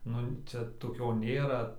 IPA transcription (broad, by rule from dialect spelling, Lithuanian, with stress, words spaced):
ˈnʊ ˈt͡ʃʲɛ toːˈkʲoː ˈnʲeːrɐ